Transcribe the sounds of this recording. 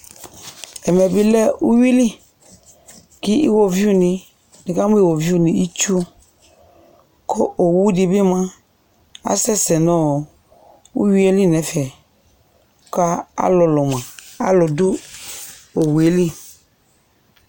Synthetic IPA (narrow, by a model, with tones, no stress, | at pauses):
ɛ˨mɛ˨bi˦lɛ˦u˦wi˦li˦ | ki˦ḭ˦wo˦vi˦u˦nĩ˨ | ni˨ka˦m˦i˦˨wo˨vi˦u˦˨nĩ˨i˦t͡ʃu˦ | kʰo˦ʔo˨wu˦di˨bi˦mã˦ | a̰˨˦sɛ˦sɛ˨nɔ̃˦˨ | u˦wi˦e˦li˦nɛ̃˨˦fɛ˨˦ | ka˦a̰˦lɔ˨lɔ˨mã˨a̰˦lʊ˨du˦ | o˨wu˨e˨˦li˦